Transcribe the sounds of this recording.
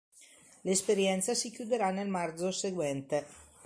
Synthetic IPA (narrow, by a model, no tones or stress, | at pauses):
lespeɾjɛnt̪sasikjud̪eɾanːelmard̪zoseɡwɛnt̪e